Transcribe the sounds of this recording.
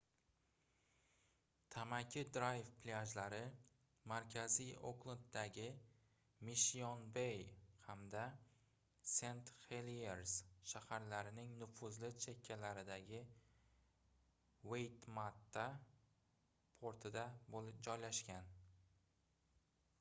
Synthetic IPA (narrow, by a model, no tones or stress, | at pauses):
t̪ʰamakʲʰɪd̪ɾajfplʲaʒlaɾɪ | maɾkʲʰazio̰qlˠɪd̪̚d̪aɡʲɪ | mɪʃionbejhamd̪a | se̞nt̪χelieɾsʃahaɾlaɾɪnɪŋnʊfʊzlɪt͡ʃʰekʲʰːalaɾɪd̪aɡʲɪ | wejt̪mat̪ʰːa | pʰoɾt̪ʰɪd̪aboɪd͡ʒɒjlaʃkʲan